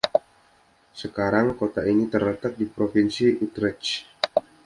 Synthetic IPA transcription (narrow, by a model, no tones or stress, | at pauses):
səkaɾaŋkot̪ainit̪ərlət̪ak̚dipɾofinsiut̪ɾɛt͡ʃ